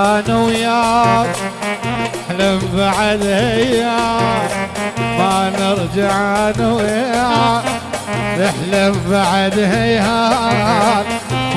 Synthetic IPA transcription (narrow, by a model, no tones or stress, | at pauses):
nawja | ħlambaʕad̪haa | manɪɾd͡ʒaʕanawja | ɾɪħlambaʕad̪haja